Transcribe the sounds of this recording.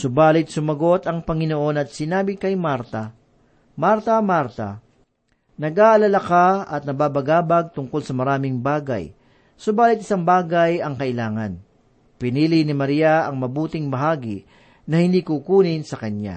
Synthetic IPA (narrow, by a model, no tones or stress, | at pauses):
sʊbaːlɪt̪̚sʊmɐɡo̞t̪ɐŋpɐŋɪnoʔo̞nɐt̪̚sɪnaːbɪkɐjmaɾt̪ɐ | maɾt̪ɐmaɾt̪ɐ̰ | nɐɡʔaːʔɐlɐlakaɐt̪̚nɐbaːbɐɡaːbɐɡ̚t̪ʊŋkolsɐmɐɾaːmɪŋbaːɡɐ̰j | sʊbaːlɪt̪̚ɪsaŋbaːɡɐjɐŋkɐʔɪlaːŋɐn | pɪniːlɪnɪmɐɾiːaɐŋmɐbuːt̪ɪŋbɐɦaːɡɪ | nɐhɪnd̪iːkukuːnɪnsɐkɐnja̰